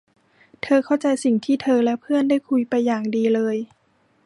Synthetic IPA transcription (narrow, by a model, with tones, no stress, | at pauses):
t̪ʰɤː˧kʰa˥˩wt͡ɕa˧jsi˨˩ŋt̪ʰiː˥˩t̪ʰɤː˧lɛ˦˥wpʰɯ˥˩əndaː˥˩jkʰu˧jpa˧jːaː˨˩ŋdiː˧lɤː˧j